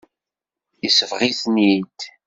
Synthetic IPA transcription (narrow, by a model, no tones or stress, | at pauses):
isəvʁiθnid̪